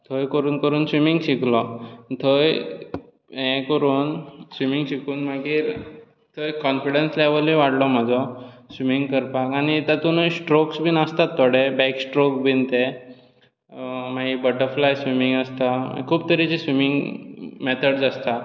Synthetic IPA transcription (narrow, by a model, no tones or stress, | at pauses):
t̪ʰəjkəɾuːnkəɾuːnsʋimiŋɡɕiklɔt̪ʰəj | ɦẽkəɾuːnsʋimiŋɡɕikuːnmaɡiːɾ | t̪ʰəjkɔnfiɽensleʋəlĩʋaɽlɔm̤əd͡zɔsʋimiŋɡkəɾpakaniːt̪at̪unəjsʈɾoksbʱinəst̪at̪ːoɽebɛksʈɾokbʱint̪e | maɡibəʈəɾflajsʋimiŋɡəst̪a̰kʰuːb̚t̪əɾit͡ɕisʋimiŋɡmet̪ʰəɽd͡zast̪a